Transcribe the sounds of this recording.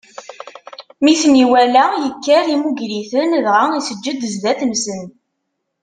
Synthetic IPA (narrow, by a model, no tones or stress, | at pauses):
miθniwælæjəkːəɾimuɡɾiθənðʁaisəd͡ʒːəd̪əzd̪æθmsən